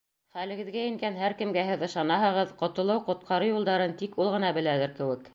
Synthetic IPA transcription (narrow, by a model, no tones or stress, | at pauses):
χælɘ̆ɡɘ̆ðɡæjɘ̆ŋɡænɦæɾkɘ̆mɡæɦɘðɤ̆ʃɑnɑɦɤ̆ʁɤðqŏt̪ŏlˠɤwqŏt̪̚qʰɑɾɤjulˠd̪ɑɾɤnt̪ikulˠʁɤ̆nɑbɘ̆lælɘɾkɘ̆wɘk